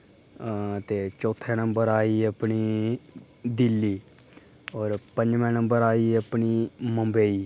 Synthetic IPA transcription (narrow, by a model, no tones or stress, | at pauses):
t̪eːt͡ʃɔːt̪ʰːɛːnə̃mbəɾaːiːəpniː | d̪ɪlːiː | ɔːɾpə̃ɲd͡ʒʋɛ̃ːnə̃mbəɾaːiːəpniːməmbeːiː